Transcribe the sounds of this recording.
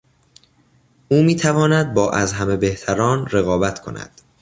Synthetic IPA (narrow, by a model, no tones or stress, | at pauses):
ʔuːmiːt̪ʰævɒːnæd̪̚bɒːʔæzɦæme̞be̞ht̪ʰæɾɒːnɾeɣɒːbæt̪ʰkʰo̞̰næ̰d̪̥